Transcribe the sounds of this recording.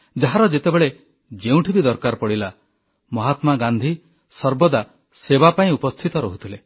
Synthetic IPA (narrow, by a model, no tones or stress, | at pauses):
d͡ʒaɦaɾɔd͡ʒet̪ebeɭe | d͡ʒeũʈʰibid̪ɔɾkaɾpɔɽila | mɔɦat̪maɡand̪ʱi | sɔɾbɔd̪a | sebapaĩupɔst̪ʰit̪ɔɾɔɦut̪ʰile